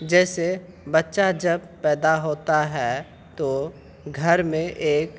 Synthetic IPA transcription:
d͡ʒɛːse | bɐtːʃad͡ʒɐbpɛːd̪aɦoːt̪aɦɛː | t̪o | ɡʱɐɾmẽʔeːk

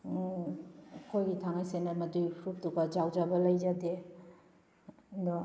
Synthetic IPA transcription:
kʰojɡitʰaŋajsenamɐdupʰɾup̚duɡad͡ʒawd͡ʒabɐlɐjzade | ndɔ

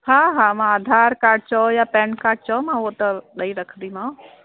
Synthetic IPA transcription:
haɦaːmãaːd̪ʱaːɾkaːɾʈ̚t͡ʃɔjaːpɛ̃ːnkaːɾʈ̚t͡ʃɔmãuot̪ɐɗɐiɾɐkʰnd̪imã

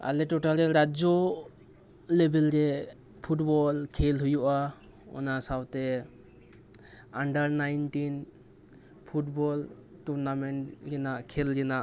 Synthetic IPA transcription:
a̰lɛʈɔʈaɾɛɾad͡ʒɔ | lebɛlɾɛ | pʰuʈbɔlkʰelɦujuʔa | ɔ̰nasawt̪ɛ | aɳɖaɾnajnʈin | pʰuʈbɔlʈuɾnameɳʈɾɛnaʔkʰɛlɾɛnaʔ

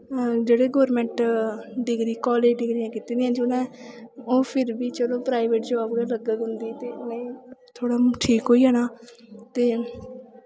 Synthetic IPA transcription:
d͡ʒeːɽeːɡɔːɾmɛ̃ːɳʈɖɪɡɾiːkɔːleːd͡ʒɖɪɡɾɪjãːkiːt̪eːd̪iãːd͡ʒʊnɛ̃ːoːpʰɪɾbiːt͡ʃəlõːpɾaːiʋeːʈd͡ʒəʋaːbɡeːləɡəkɦʊnd̪iːt̪eːʊnẽːt̪ʰoːɽaːʈʰiːkɦoːiːɦɛːnaːt̪eː

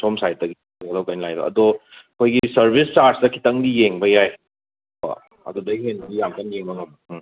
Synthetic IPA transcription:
somsajt̚ːɐɡi | ɐlɐwkajnilajdo̰ʔɐ̰doɐkʰojɡisɐɾbʱist͡ʃaɾsdɐkʰi̥tɐŋdijeŋbɐjaj | bɐ̰ | ɐ̰dodɐɦenbɐɡijamtɐnjeŋbɐŋɐbɐ

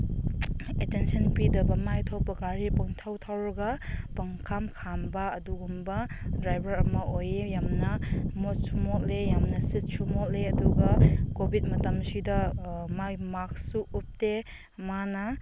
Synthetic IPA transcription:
etensɐnpidɐbɐmajtʰawpɐɡaɾipuŋtʰawtʰawɾɡɐpɐŋkʰamkʰambɐːduɡumbɐdɾajbɐɾɐmɐojejamnɐmot̚sumɔt̚lejamnɐsit̚sumɔt̚leɐduɡɐkobʱit̚mɐtɐmsidɐmamak̚suup̚te | manɐ

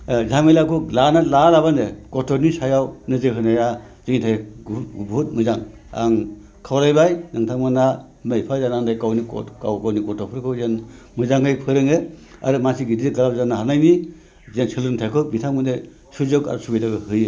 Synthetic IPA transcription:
zaŋmelakʰulanalalabandekɔtʰɔɾnisajawnɯzɯɦɯnaja | z̥ɯŋitʰajɡuɡbut̚mɯzaŋ | a̰ŋ | kʰawɾajbajnaŋtʰaŋmana | mejpʰazanaŋdajkawnikɔ̰tkawɡawnikɔtʰɔpʰɯɾkʰɯwzen | mɯzaŋɡɯjpʰɯɾɯŋea̰ɾɯmasiɡididɡalap̚zanahanajmi | zensɯlɯntʰajkʰɯwbitʰaŋmɯnde | suzɯka̰ɾusubijdaɡɯhɯje

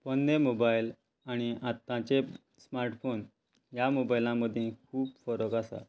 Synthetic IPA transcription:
pənːemobajl | aɽ̃iʔat̪ːãt͡ɕe | smaɾʈfon | jamobailãməd̪ʱjẽkʰuːpfəɾəkasa̰

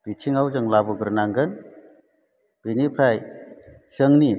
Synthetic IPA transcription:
bitʰiŋawzɯŋlabuɡɯɾnaŋɡɯn | b̥inipʰɾaj | sɯŋni

